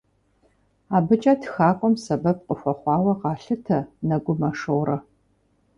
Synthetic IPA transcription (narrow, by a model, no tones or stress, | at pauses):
aːbɨt͡ʃʼatxaːkʷʼɔmsɐbɐp̚qʼəxʷɔχʷɑːwɐʁɑːɬɨtʰɐnɐɡʷʊmɐʂɨwɾɐ